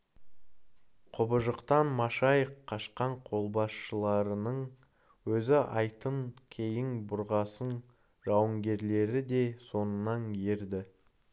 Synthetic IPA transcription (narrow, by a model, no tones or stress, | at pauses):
qʰʊbəʒəqt̪ɑnmɑʃɑjqʰːɑʃqɑɴqʰo̞lˠbɑsʃəlˠɑɾənəɴ | wɵzɪʔɑ̰jt̪əŋkʲʰejɪŋbʊɾʁɑsən | ʒɑwəŋɡʲe̞ɾle̞ɾɪd̪e̞so̞nənɑnjeɾd̪ɪ